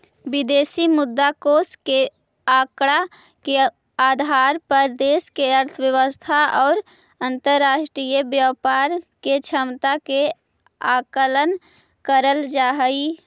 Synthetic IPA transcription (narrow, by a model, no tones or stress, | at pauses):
bɪd̪eːsimʊd̪ːakoːske | aːkɽa | ke | aːd̪ʱaːɾpəɾd̪eːskeəɾt̪ʰəʋjəʋəst̪ʰaɔːɾ | ə̃nt̪əɾːaːʃʈɾijəbjaːpaːɾket͡ʃʰəmt̪ake | aːkələn | kəɾəld͡ʒaːɦəi